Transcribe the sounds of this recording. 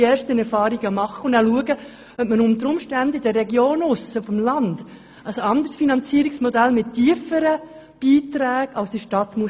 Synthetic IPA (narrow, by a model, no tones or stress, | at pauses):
eːɾʃtənɛɾfɑːɾiɡəmɑχːəʊndæluəɡə | œp̚mənʊnt̪əɾʊmʃtændɪd̥ərːɛɡjoːnʊsəfɔmlɑnd̥ | əsɑnd̪əɾsfinɑnt͡siəɾiksmɔd̪ælmɪtːiːəfəɾə | b̥iːt̪ɾæːɡɑʊsd̥̪əʃtɑt̪mu